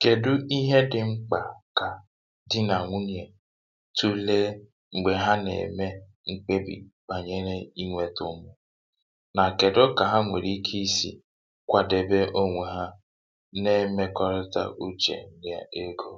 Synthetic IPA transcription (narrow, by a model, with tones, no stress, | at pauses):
ke˨dʊ˦i˦ɦe˦dɪ˨ŋ͡m̩˦k͡pa˨ka˨ | dɪ˦na˨ŋʷʊ˦n˨e˨ | tu˦leː˦ | ŋ͡m̩˨ɡ͡be˨ɦa˦nḛ˨me˦ | ŋ̩˦k͡pe˦bḭ˨k͡pa˨ɲe˦ɾe˦i˦ŋʷe˦tʊ˦mʊ˨ | na˨ke˨dʊ˦ka˨ɦa˦ŋʷe˨ɾi˦kʰi˦sḭ˨ | kʷa˨de˨be˦ʔo˦ŋʷe˨ɦa˦ | ne˦me˦kɔ˦ɾɪ˦ta̰˦ʔu˦t͡ʃḛ˨dɪ˦˨a˨e˦ɡo˦